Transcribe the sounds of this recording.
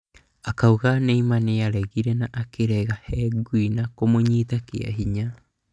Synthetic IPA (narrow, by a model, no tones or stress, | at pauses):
akauɣaneimaneaɾɛɣiɾɛnaʔakeɾɛɣahɛɡwinakomoɲiːtakḛa̰ɦiɲa